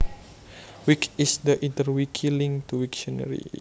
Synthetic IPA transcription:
wikisdəʔint̪ərwikʰilĩŋt̪uwikt͡ʃənə̰ɾḭ

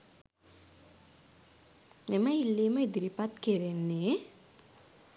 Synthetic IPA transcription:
memailːimaid̪iɾipat̪keɾenːe

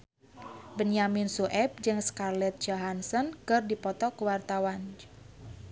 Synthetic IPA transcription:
bənaminsuʔɛp̚d͡ʒɨŋskarlɛt̪̚d͡ʒɔɦansɔnkɨrdipɔt̪ɔkəwart̪awan

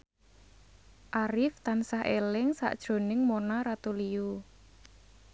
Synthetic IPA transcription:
ʔaɾɪft̪ansaɦʔelɪŋsa̰ʔd̥ʒ̥o̤nɪŋmonaɾat̪uliu

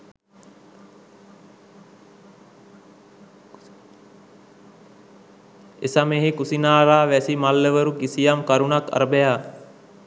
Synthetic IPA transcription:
ḛsameɦekusinaːɾaːʋæsimalːəʋəɾukisijamkaɾunaka̰ɾəbejaː

